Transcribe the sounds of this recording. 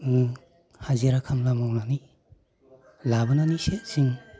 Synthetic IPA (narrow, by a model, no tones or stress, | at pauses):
haziɾakʰamlamɔwnani | labɯnaniset̚siŋ